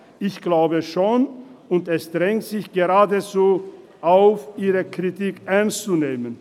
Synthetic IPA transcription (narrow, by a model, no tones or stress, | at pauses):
ʔɪçɡ̥laʊbəʃoːnʊntɛsd̥ʁɛŋtz̥ɪçɡ̥eʁaːdət͡soː | ʔaʊfʔiːʁəkʁ̥itiːkʔɛɐnst͡suneːmən